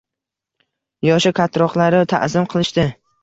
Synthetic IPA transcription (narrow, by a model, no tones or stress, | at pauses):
jɒʃɪkʰat̪ʰɾɒqlˠaɾɪt̪ʰa̰ʔzɪmqʰɨlˠɪʃt̪ɪ